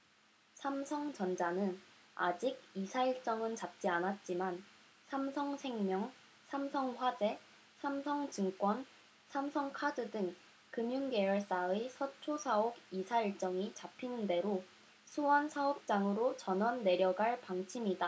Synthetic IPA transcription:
sʰamsʰʌŋt͡ɕʌnd͡ʑanɯn | a̰d͡ʑiɡ̚isʰaiɭt͡ɕ͈ʌŋɯnt͡ɕap̚t͡ɕ͈ianat̚t͡ɕ͈iman | sʰamsʰʌŋsʰe̞ŋmjʌŋ | sʰamsʰʌŋɸwad͡ʑe̞ | sʰamsʰʌŋt͡ɕɯŋk͈wʌn | sʰamsʰʌŋkʰadɯdɯŋ | kɯmjunɡe̞jʌɭs͈aesʰʌt͡ɕʰosʰaoɡisʰaiɭt͡ɕ͈ʌŋit͡ɕapʰinɯnde̞ɾo | sʰuʌnsʰaop̚t͡ɕ͈aŋɯɾot͡ɕʌnʌnːe̞ɾjʌɡaɭpaŋt͡ɕʰimida

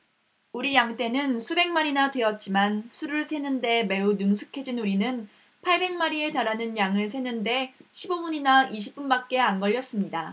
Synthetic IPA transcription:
uɾijaŋt͈e̞nɯnsʰube̞ŋmaɾinatweʌt̚t͡ɕ͈imansʰuɾɯɭsʰe̞nɯnde̞me̞unɯŋsʰu̥kʰe̞d͡ʑinuɾinɯn | pʰaɭbe̞ŋmaɾie̞taɾanɯnjaŋɯɭsʰe̞nɯnde̞ɕʰibobuɲinaiɕ̬ʰip̚p͈unbak̚k͈e̞anɡʌʎːʌs͈ɯmɲida

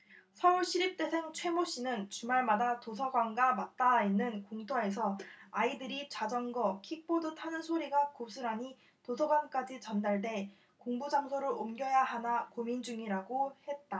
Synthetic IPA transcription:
sʰʌuɭɕʰiɾip̚t͈e̞sʰe̞ŋt͡ɕʰwe̞moɕ͈inɯnt͡ɕumaɭmadatosʰʌɡwanɡamat̚t͈ainːɯnkoŋtʰoe̞s̬ʰʌaidɯɾit͡ɕad͡ʑʌnɡʌkʰik̚p͈odotʰanɯnsʰoɾiɡakosʰɯɾaɲi | tosʰʌɡwank͈ad͡ʑit͡ɕʌndaɭde̞ | koŋbud͡ʑamsʰoɾɯɾomɡjʌjaɦanakomind͡ʑuŋiɾaɡohe̞t̚t͈a

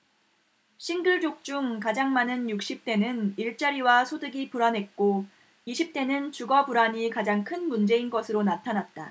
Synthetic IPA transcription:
ɕʰinɡɯɭd͡ʑok̚t͡ɕ͈uŋkad͡ʑaŋmanɯnjuk̚ɕ͈ip̚t͈e̞nɯniɭt͡ɕ͈aɾiwasʰodɯɡipuɾanɦe̞t̚k͈o | iɕʰip̚t͈e̞nɯnt͡ɕuɡʌpuɾaɲikad͡ʑaŋkʰɯnmund͡ʑe̞inɡʌsʰɯɾonatʰanat̚t͈a

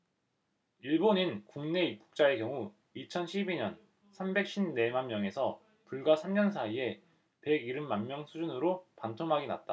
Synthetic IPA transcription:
iɭboninkuŋne̞ip̚k͈u̥k̚t͡ɕ͈ae̞kjʌŋu | it͡ɕʰʌnɕʰibiɲʌn | sʰambe̞k̚ɕ͈ʰibne̞manmjʌŋe̞sʰʌ | puɭɡasʰamɲʌnsʰaie̞ | pe̞ɡiɾɯmmanmjʌŋsʰud͡ʑunɯɾopantʰoŋɦaɡina̰t̚t͈a

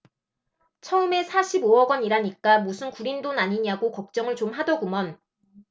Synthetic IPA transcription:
t͡ɕʰʌɯme̞sʰaɕʰiboʌɡwʌɲiɾaɲik͈amusʰɯnkuɾindonaɲiɲaɡokʌk̚t͡ɕ͈ʌŋɯɭt͡ɕomɦadʌɡumʌn

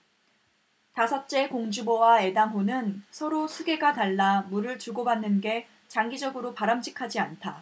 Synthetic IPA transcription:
tasʰʌt̚t͡ɕ͈e̞koŋd͡ʑubowae̞daŋɦonɯnsʰʌɾosʰuɡe̞ɡataɭːamuɾɯɭt͡ɕuɡobanːɯnɡe̞ | t͡ɕaŋɡid͡ʑʌɡɯɾopaɾamd͡ʑikʰad͡ʑiantʰa

